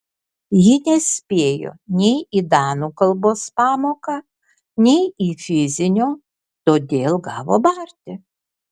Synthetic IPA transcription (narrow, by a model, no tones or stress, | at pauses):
jɪnʲɛsʲpʲeːjo̰ːnʲɛɪiːd̪ɑːnukɐlˠboːspɑːmoːkɑ | nʲɛɪiːfʲɪzʲɪnʲoː | t̪oːd̪ʲeːlˠɡɑːʋo̰ːbɑɾʲt̪ʲɪ